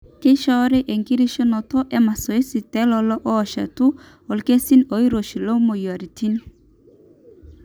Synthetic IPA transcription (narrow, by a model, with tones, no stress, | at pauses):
ke˦ʃɔ˦ɾe˦ʔe˨ŋɡi˦ɾi˦ʃɔ˦nɔ˨tɔ˦ʔɛ˦ma˨sɔ˨i˦si˨tɛ˦lɔ˨˦lɔ˦ʔɔː˦˨ʃa̰˨tu˦ | ɔ˨lke˦si˦no˨˦i˦ɾo˨ʃi˨lo˦mo˨ja˨ɾi˨ti˦no˦